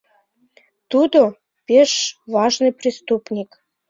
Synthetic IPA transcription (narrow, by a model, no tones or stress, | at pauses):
t̪ud̪o | pʲeʃvɑʒnɨjpɾʲist̪upnʲik